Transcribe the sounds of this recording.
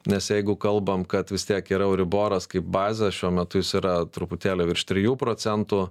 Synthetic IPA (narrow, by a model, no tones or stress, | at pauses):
nʲɛsjɛɪɡʊkɐlˠbɐmkɐt̪ʋʲɪst̪ʲiɛkiːɾɐɛʊɾʲɪboːɾɐskɐɪp̚bɑːzʲɛʃʲuɔmʲɛt̪ʊjɪsiɾɐt̪ɾʊpʊt̪ʲæːlʲoːʋʲɪɾʃʲt̪ʲɾʲɪjuːpɾoːt͡s̪ʲɛnt̪ʊ